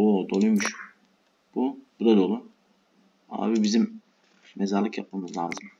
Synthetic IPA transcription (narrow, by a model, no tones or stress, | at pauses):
oːd̪olˠujmuʃ | b̥ubud̪ad̪oːlˠu | a̰ːbibizimː | ɛzaɾlˠɯkjap̚mamɯzlʲaːzɯm